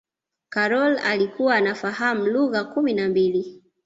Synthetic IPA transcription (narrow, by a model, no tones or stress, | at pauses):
kaɾɔlalikuwaːnafaham̩luɣakuminambili